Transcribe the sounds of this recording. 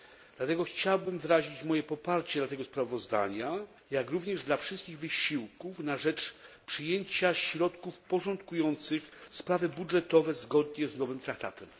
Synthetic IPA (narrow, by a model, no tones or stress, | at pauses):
dd̪lat̪ɛɡɔxt͡ɕawbɘmvɾaʑit͡ɕmɔjɛpɔpaɾt͡ɕɛd̪lat̪ɛɡɔspɾavɔzd̪a̰ɲa | jakɾuvɲɛʐd̪lafʂɘst̪̚kʲiɣvɘɕiwkufnaʐɛt͡ʂpʂɘjeɲt͡ɕaɕɾɔt̪kufpɔʐɔnt̪kujɔnt̪sɘxspɾavɘbudʐɛt̪ɔvɛzɡɔd̪ɲɛznɔvɘmt̪ɾak̚t̪a̰t̪ɛm